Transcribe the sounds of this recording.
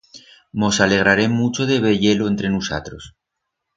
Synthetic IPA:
mo̞sale̞ɣ̞ɾaɾe̞mut͡ʃo̞ð̞e̞βeʝe̞loent̪ɾe̞nusa̰t̪ɾo̞s

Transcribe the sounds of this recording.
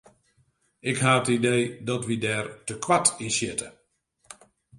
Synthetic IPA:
ɪkɦaːətideːdɔtʋidɛːrtəkʋatinsjɪtə

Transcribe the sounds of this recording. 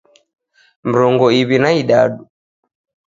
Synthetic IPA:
m̩ɾɔŋɡɔiβinaiɗaɗu

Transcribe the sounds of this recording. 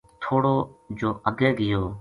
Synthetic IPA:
t̪ʰoːɽoːd͡ʒoːʔəɡẽːɡɪjoː

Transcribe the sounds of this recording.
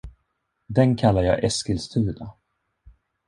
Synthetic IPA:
d̪ɛnkʰalːaɾjɑ̰ːʔɛskəlst̪ʰʉ̟ːd̪a

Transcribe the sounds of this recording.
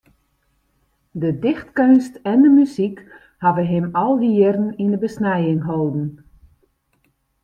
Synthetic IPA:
dədɪxtkønstɛndəmysik | havəɦɪmɔlˠdiɪrn̩indəbəsnɛjɪŋɦoːdn̩

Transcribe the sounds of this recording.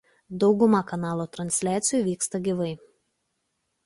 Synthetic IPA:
d̪ɒʊɡʊmɐkɐnɑːlˠoːt̪ɾɐnʲsʲlʲæːt̪sʲɪjuːˑʋʲiːkst̪ɐɡʲiʋɐɪ

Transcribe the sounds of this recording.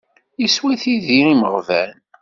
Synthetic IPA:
jiswæθiðiiməʁvæn

